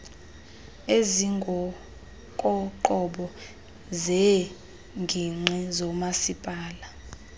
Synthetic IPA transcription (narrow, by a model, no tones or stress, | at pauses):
eziŋɡʱɔ | kʼɔǃɔɓɔ | zɛ | ŋɡʱiŋ͡ǀʱɛzɔmasipʼaːla